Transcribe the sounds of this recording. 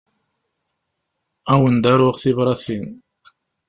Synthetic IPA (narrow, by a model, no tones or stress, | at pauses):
æwənd̪æɾʊʁθivɾˤɑθin